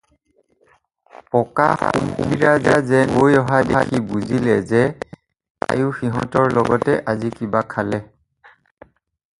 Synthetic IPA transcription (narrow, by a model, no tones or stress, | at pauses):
pɔka̰a̰umxṵbiɹazazɛbojɔɦadaxibuzilɛzɛ | a̰juxiɦɔ̰tɔɹlɔɡɔtɛʔazikibakʰalɛ